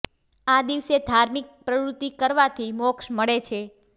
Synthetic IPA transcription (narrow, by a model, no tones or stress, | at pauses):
ad̪iʋsed̪ʱaɾmik̚pɾəʋɾut̪ːikəɾʋat̪ʰimɔkʃməɭet͡ʃʰe